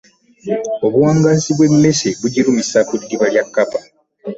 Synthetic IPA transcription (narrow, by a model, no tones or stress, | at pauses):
o̞βuwaːŋɡaːziβwe̞mːe̞seβuɟiɾumisakudːiβaljakːapa